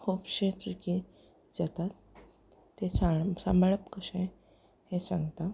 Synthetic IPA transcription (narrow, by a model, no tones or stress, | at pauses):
kʰuːpɕet̪iki | d͡zat̪at̪ː | esasamɭəpkəɕẽ | hẽsãŋɡt̪a